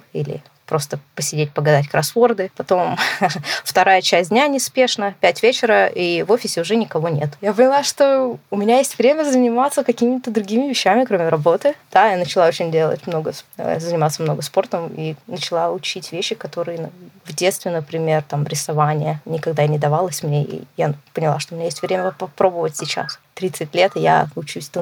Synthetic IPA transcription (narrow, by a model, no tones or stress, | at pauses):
ḭlʲɪ̰ | pɾʔo̞st̪əpəsʲɪdʲet̚ʲpəɡɐd̪atʲkɾɐsvord̪ɨpɐt̪o̞m | ft̪ɐɾajət͡ɕæsʲd̪ʲnʲanʲɪspʲe̞ʂnəpʲætʲvʲet͡ɕɪɾəivo̞fʲɪsʲɪʊʐɛnʲɪkɐvo̞nʲet̪japənʲɪlˠaʂt̪o̞ʊmʲɪnʲajesʲtʲvɾʲemʲəzənʲɪmat̪səkɐkʲimʲɪt̪əd̪ɾʊɡʲimʲɪvʲɪɕːæmʲɪkɾomʲɪɾɐbo̞t̪ɨd̪̥ajanət͡ɕɪlˠaot͡ɕɪnʲdʲe̞lˠə̰tʲmno̞ɡəə̰zənʲɪmat̪səmno̞ɡəspo̞rt̪əminət͡ɕɪlˠaʊt͡ɕitʲvʲeɕːɪkɐt̪o̞ɾɨjənvdʲe̞t̪st̪vʲɪnəpɾʲɪmʲe̞rt̪amɾʲɪsɐvanʲɪjənʲɪkɐɡ̚d̪anʲɪd̪ɐvalˠəsʲmnʲeḭjapənʲɪlˠaʂt̪oʊmʲɪnajesʲtʲvɾʲemʲəpɐpɾo̞bəvətʲsʲɪt͡ɕa̰st̪ɾʲit̪sɨtʲlʲe̞t̪ɨja̰ʊt͡ɕusʲt̪